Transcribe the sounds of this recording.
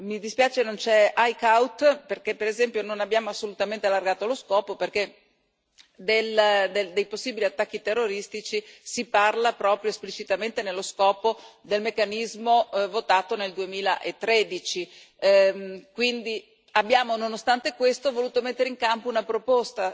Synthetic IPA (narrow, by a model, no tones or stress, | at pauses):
mid̪ispjaːt͡ʃenont͡ʃɛajkawt̪perkepːeɾezɛmpjononabːjaːmoasːolut̪ament̪ealːarɡaːt̪oloskɔːpoperke | d̪eld̪ed̪ejposːiːbiliat̪ːakːit̪erːoɾist̪it͡ʃisiparlapɾɔːpɾjoesplit͡ʃit̪ament̪enelːoskɔːpod̪elmekːanizmovot̪aːt̪oneld̪uemiːlaʔet̪ːɾed̪it͡ʃi | kwind̪i | abːjaːmononost̪ant̪ekwest̪ovoluːt̪omet̪ːeɾeiŋkampounapɾopost̪a